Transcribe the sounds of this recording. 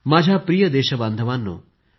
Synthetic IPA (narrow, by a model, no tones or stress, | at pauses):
maːd͡ʑʱapɾijəd̪eːʃəband̪ʱəʋanːo̰